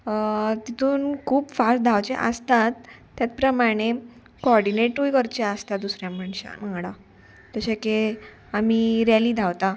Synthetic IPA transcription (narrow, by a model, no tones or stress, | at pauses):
t̪it̪ʰuːnkʰuːpfasʈ̚d̪ʱawt͡ɕḛʔəst̪at̪ː | jat͡spɾəmaɽ̃e | kɔɾɽineʈujkəɾt͡ɕeəst̪ad̪usɾjãməɳɕa̰nãŋɡɽa | t̪əɕake | amiɾɛliːd̪ʱawt̪a